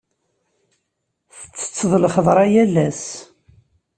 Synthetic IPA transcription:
θə̥t͡sːə̥t͡sːəðˤlχəðˤɾˤɑjælːæs

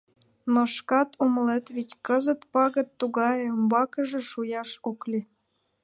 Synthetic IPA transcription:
noʃkɑt̪ʰomlet̪βitʲkəzə̆t̪pɑɣə̆t̪ːuɣɑjəmbɑkə̆ʒĕʃujɑʃoklʲi

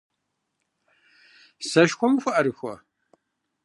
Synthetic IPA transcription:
sɐʃxʷɔmɨxʷʊʔɐɾɨxʷɐ̰

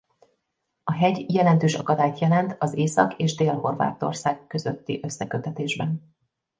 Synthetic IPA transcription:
ɒɦɛɟjɛlɛnt̪øːʃɒkɒd̪aːjt̪jɛlɛnt̪ɒzeːsɒ̰keːʒd̪eːlɦo̞rva̰ːt̪o̞̰rsaːɡːø̞zøt̪ːḭʔø̞sːɛkøt̪ɛt̪eːʒbɛn

